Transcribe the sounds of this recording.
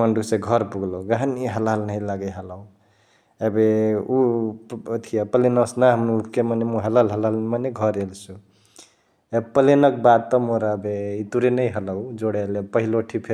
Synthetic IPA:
məɳɖusẽɡʱʌɾpuɡloɡaɦəniɦəlalnəilaɡəɦələw | ebeu | t̪ʰijapəlenəsnaɦəmnuupkemanemuɦəlalɦəlalnmaneɡʱʌɾelt͡ʃʰu | epəlenək̚bad̪̚t̪ɔmoɾabeit̪uɾenəjɦələwd͡ʒoɽelepəɦiloʈʰipʰe

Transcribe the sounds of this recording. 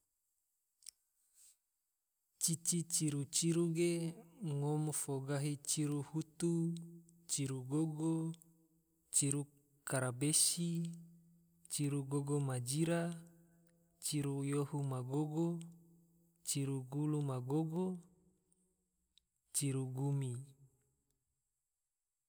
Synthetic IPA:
t͡ʃit͡ʃit͡ʃiɾut͡ʃiɾuɡeŋomfoɡaɦit͡ʃiɾuhut̪u | t͡ʃiɾuɡoɡo | t͡ʃiɾu | kaɾabesi | t͡ʃiɾuɡoɡomad͡ʒiɾa | t͡ʃiɾujohumaɡoɡo | t͡ʃiɾuɡulumaɡoɡo | t͡ʃiɾuɡumi

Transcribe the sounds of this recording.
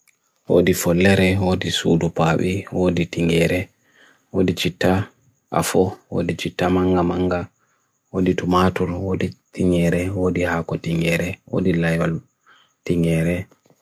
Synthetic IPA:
wo̰difɔlːɛɾɛwoːdisṵdɔpaːɓiwoːditiŋɡɛɾɛ | woːdit͡ʃitːa | ʔa̰fɔwo̰ːdit͡ʃitːamaŋɡamaŋɡa | woditumatuɾwoːditiŋɛɾɛwodihakɔtiŋɡɛɾɛwo̰dilajwal | tiŋɡɛɾɛ

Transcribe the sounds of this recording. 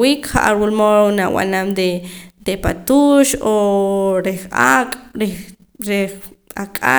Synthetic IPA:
wiːkχa̰ʔaɾwulmoɾonawa̰namd̪ed̪̥epa̰t̪uːʃoɾeχakʼɾe | ɾeakʼa̰

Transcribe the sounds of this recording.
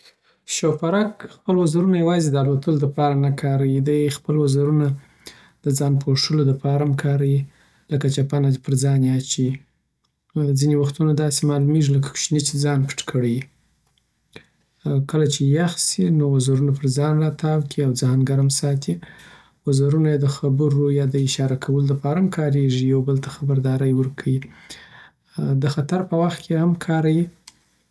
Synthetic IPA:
ʃawfaɾɑkxpəlwazaɾunajawɑzed̪əalot̪əlod̪əpɑɾanakʰɑɾawid̪əjxpəlwazaɾuna | d̪əd͡zɑnpʰoʂəlod̪əpɑɾamkʰɑɾawi | ləkat͡ʃapanapəɾd͡zɑnjat͡ʃi | zinewaxt̪unad̪ɑsemɑlumeʒiləkḁkʃnit͡ʃed͡zɑnpə̥ʈkʰəɽeji | kəlat͡ʃejaxsinowazaɾunapəɾzɑnɾɑt̪ʰɑwkʰiawd͡zɑnɡaɾamsɑt̪ʰi | wazaɾunajad̪əxabəɾojɑd̪əɪʃɑɾakʰawəlod̪əpɑɾamkʰɑɾeʐijawbəlt̪axabaɾd̪ɑɾəjwəɾkʰawi | d̪əxat̪aɾpəwaxt̪̚kʰehamkʰɑɾaji

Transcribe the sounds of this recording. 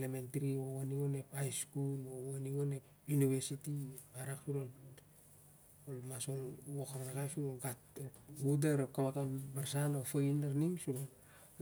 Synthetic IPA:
lementɾioowaniŋonepajskulowaniɡone | juniβeɾsitiaɾaksuɾol | olmasolwokaɾanakajsioɡatɡudeɾokaβakabaɾsanofojnaɾniŋsuɾo

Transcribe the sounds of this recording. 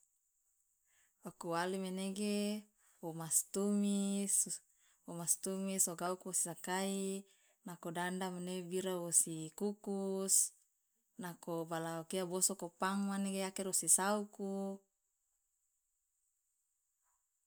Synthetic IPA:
okuwalimeneɡe | omast̪umis | omast̪umisoɡaukuosi̥sakai | nakodandamenebiɾaosikukus | nakobalaokeabosokopaŋmaneɡeakɛrosisauku

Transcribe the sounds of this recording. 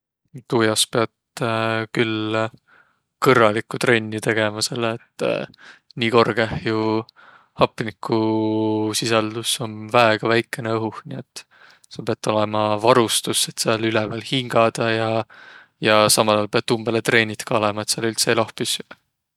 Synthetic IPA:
t̪uːjɑspe̞ɑt̪ | kyl | kɤrːɑlikːˑut̪re̞nʲːit̪e̞ɡ̥e̞mɑseleːt̪ːˑ | niːko̞rɡ̥ehju | hɑpːˑinikːˑu | sisɑld̪̥uso̞nvæeɡ̥ɑvæjkːˑe̞neɤɦuhniet̪ːˑ | sɑpeɑt̪ːˑo̞lemɑvɑɾust̪usːe̞t̪seɑlylɛvæːlhiŋɡ̥ɑd̪̥ɑjɑ | jɑsɑmɑlɑːlpeɑd̪̚umb̥elet̪re̞ːnʲit̪kɑolemɑet̪seɑlylt̪selɑhpis

